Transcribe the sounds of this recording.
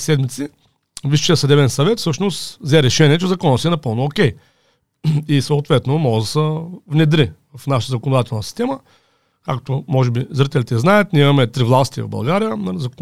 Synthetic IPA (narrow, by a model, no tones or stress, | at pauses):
sɛd̪mit̪si | viʃt͡ʃɛjɐsɐd̪ɛbɛnsɐvɛt̪fsɤʃnost̪zɛɾɛʃɛniɛt͡ʃɛzɐkɔnːət̪sɛnɐpɤlˠnookʲɛj | isɐːt̪vɛt̪nomɔɡəd̪ɐsɛvnɛd̪ɾivɐfnaʃət̪əzɐkonod̪at̪ɛlˠnəsi̥st̪ɛmə | kakt̪omɔʒɛbizɾit̪ɛlʲit̪ɛznajət̪nʲiimɐmɛt̪ɾivlˠast̪ivɐ̰vbɐ̰lˠɡaɾijənzɐk